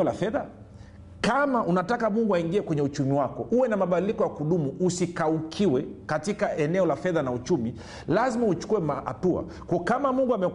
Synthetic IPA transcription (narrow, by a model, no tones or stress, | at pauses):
ɔlafɛða | kamaʔunatakamuŋɡuaiŋɡiɛkwɛɲɛut͡ʃumiwakɔʔuwɛnamaɓadilikɔjakuɗumuusikaukʰiwɛkatikaɛnɛɔlafɛðanaut͡ʃumi | lazmaut͡ʃu̥kuwɛmaha̰tua̰ | kɔɔkamamuŋɡuamɛ